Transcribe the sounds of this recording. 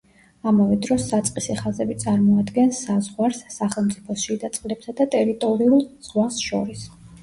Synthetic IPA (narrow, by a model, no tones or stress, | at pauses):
amavɛd̪ɾɔsːat̪sʼqʼisiχazɛbit̪sʼaɾmɔad̪ɡɛnsazʁwaɾsːaχɛlˠmt̪sʼipʰɔsʃid̪at̪sʼqʼlɛbsad̪at̪ʼɛɾit̪ʼɔɾiulˠz̥ʁwasʃɔɾis